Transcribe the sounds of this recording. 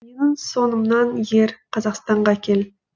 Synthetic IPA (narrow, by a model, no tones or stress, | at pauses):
me̞nɪŋso̞nəmnɑnje̞ɾqʰɑzɑqst̪ɑɴʁɑkʲʰe̞l